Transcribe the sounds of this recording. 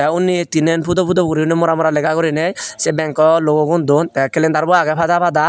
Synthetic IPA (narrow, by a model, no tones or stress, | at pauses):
ɛunit̪inɛnpʰud̪ɔpud̪ɔkuɾiunimɔɾamɔɾalɛkakɔɾinɛjsebɛŋkɔloɡɔɡund̪ɔnt̪ɛkelɛnd̪aɾbɔaɡɛpʰad̪apad̪a